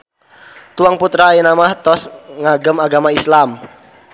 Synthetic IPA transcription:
t̪uaŋput̪ɾaenamaht̪ɔsŋaɡəmaɡamaislam

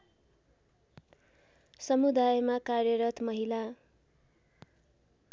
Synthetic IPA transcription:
sʌmud̪ajmakarjʌɾʌt̪mʌɦila

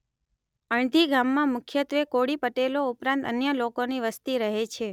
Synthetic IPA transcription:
əɳd̪ʱiɡamːãmʊkʰjət̪ʋekoɽipəʈeloupɾãnt̪ənjəlokoniʋəst̪iɾəɦet͡ʃʰe

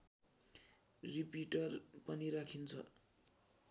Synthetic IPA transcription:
ripiʈʌrpʌniɾakʰint͡sʰʌ̰

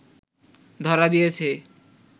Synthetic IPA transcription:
d̪ʱɔɾad̪ijet͡ɕʰe

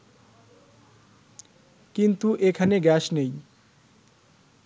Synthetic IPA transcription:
kint̪uʔekʰaneɡɛsnej

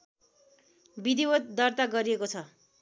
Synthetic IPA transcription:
bid̪ibot̪̚d̪ʌrt̪aɡʌɾiekot͡sʰʌ

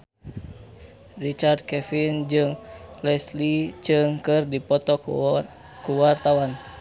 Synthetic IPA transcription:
rit͡ʃard̪̚kɛfind͡ʒɨŋlɛslit͡ʃɨŋkɨrdipɔt̪ɔ | kuwart̪awan

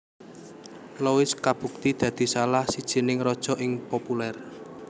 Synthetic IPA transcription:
lowɪskab̥ṳk̚t̪id̪̥ä̤d̪̥i̤salahsid̥ʒ̥ə̤nɪŋɾɔd̥ʒ̥ɔ̤ʔɪŋpopulɛr

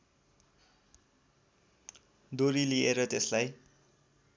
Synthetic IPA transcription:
d̪oɾilieɾʌt̪eslaj

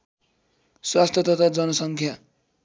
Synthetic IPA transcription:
swast̪ʰjʌt̪ʌt̪ad͡zʌnʌsʌŋkʰja

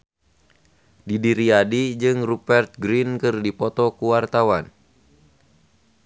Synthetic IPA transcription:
didiɾiadid͡ʒɨŋrupɛrt̪̚ɡɾinkɨrdipɔt̪ɔkuwart̪awan

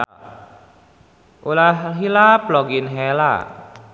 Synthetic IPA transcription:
ʔolaɦɦilaplɔɡinɦɛla̰

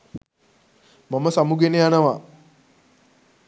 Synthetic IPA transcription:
mɐmːɐsamuɡenejanɐwa

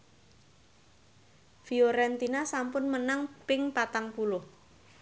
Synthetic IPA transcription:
fioɾɛnt̪inasampʊnmənaŋpɪŋpat̪aŋpulʊh

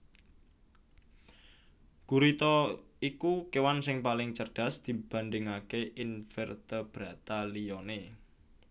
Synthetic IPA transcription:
ɡ̥uɾit̪ɔ | ikukewansɪŋpalɪŋt͡ʃərɖ̥a̤sd̪̥i̤b̥ä̤nd̪ɪŋakeʔɪnfɛrt̪əb̥ɾät̪alijɔne

